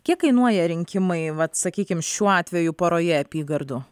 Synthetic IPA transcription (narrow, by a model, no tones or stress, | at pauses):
kʲiɛkkɐɪnuɔjɛɾʲɪŋʲkʲɪmɐɪʋɐt̪sɐkʲiːkʲɪmʃʲuːɑːt̪ʲʋʲɛjʊpoːɾoːjɛɐpʲiːɡɐɾd̪ʊ